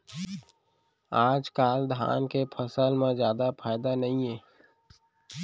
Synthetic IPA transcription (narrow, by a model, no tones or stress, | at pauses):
aːd͡ʒkaːld̪ʱa̰ːnkepʰəsəlmẽzjaːd̪apʰaːɪd̪anəɦĩẽː